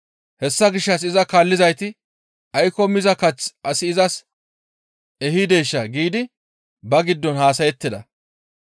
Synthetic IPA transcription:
hɛsːɐɡɪʃːɐs̬ɪzɐkaːlːɪzɐjt̪ɪ | ɐjkɔmɪzɐkɐt͡sɐsɪɪzɐs | ɛhid̪eːʃːɐɡiːd̪ɪ | bɐɡɪd̪ːɔnhaːs̬ɐjɛt̪ːɪd̪ɐ

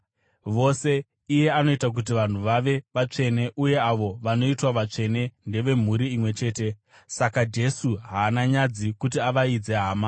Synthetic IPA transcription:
ʋo̞se̞ | ije̞ano̞itak̬ut̬iʋan̤uʋaʋe̞ʋat͡ʂe̞ne̞ʔuje̞aʋo̞ʋano̞itwaʋat͡ʂe̞ne̞nde̞ʋe̞m̤uɾiimwe̞t͡ʃe̞ːte̞ | sakad͡ʒe̞suɦaːnaɲad͡zikutiaʋaid͡ze̞ɦaːma

